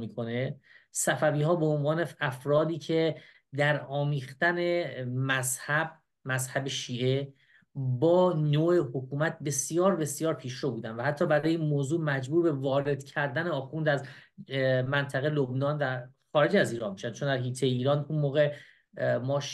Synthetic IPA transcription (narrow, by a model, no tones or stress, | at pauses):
miːkʰo̞ne̞sæfæviːɦɒːbeonvɒːne̞æfɾɒːd̪iːcʰe̞ | d̪æɾɒːmiːxt̪æne̞mæzhæb | mæzhæbeʃiːʔe̞ | bɒːnoːʔehokʰuːmæt̪̚be̞sjɒːɾbe̞sjɒːɾpʰiːʃɾobuːd̪ændvæhæt̪ʰːɒːbæɾɒːjeinmoːzuːmæd͡ʒbuːɾbe̞vɒːɾe̞d̪̥cʰæɾd̪æneɒːxund̪æz | mænt̪ʰæɣelobnɒːnvæxɒːɾed͡ʒæziːɾɒːnmiʃænt͡ʃʰond̪æɾɦiːt̪ʰeiːɾɒːnunmoːɣe̞ | mɒːʃ